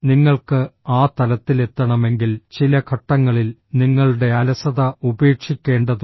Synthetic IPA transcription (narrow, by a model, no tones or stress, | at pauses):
niŋːɐɭkɨaːt̪ɐlɐt̪ːile̞t̪ːɐɳɐme̞ŋɡilt͡ɕilɐkʰɐʈːɐŋːɐɭilniŋːɐɭɨɽe̞ɐlɐsɐðɐube̞ːkʂikʲːe̞ːɳɖɐðu